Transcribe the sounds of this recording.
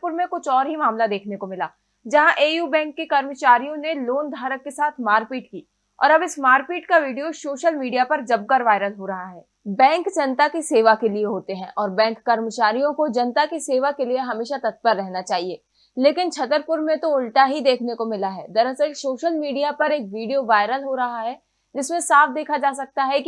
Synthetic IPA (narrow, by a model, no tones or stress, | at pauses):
pʊɾmẽkʊt͡ʃʰɔːɾɦimaːmlad̪eːkʰnekomɪlaː | d͡ʒɐɦãʔeːjuːbɛ̃ːŋkːikɐɾmət͡ʃaːɾijõneloːnd̪ʱaːɾəkːesaːt̪ʰmaːɾpiːʈkiː | ɔ̰ːɾɐbɪsmaːɾpiːʈkaʋiːɖijosoːʃəlmiːɖijapɐɾd͡ʒɐb̚kəɾʋaːɪɾəlɦoɾɐɦaɦɛː | bɛ̃ːŋkd͡ʒɐnt̪akiseːʋakelieɦoːt̪eɦɛ̃ːʔɔːɾbɛ̃ːŋkːɐɾmət͡ʃaːɾijõkod͡ʒɐnt̪akiseːʋakelieɦɐmeːʃat̪ɐt̪̚bəɾːɛɦnat͡ʃaːɦieː | leːkɪnt͡ʃʰɐt̪əɾpʊɾmẽt̪oʊlʈaɦid̪eːkʰnekomɪlaɦɛːd̪ɐɾəsəɾsoːʃəlmiːɖijapɐɾeːkʋiːɖijoʋaːɪɾəlɦoɾɐɦaɦɛ | d͡ʒɪsmẽsaːfd̪eːkʰad͡ʒaːsɐk̚t̪aɦɛki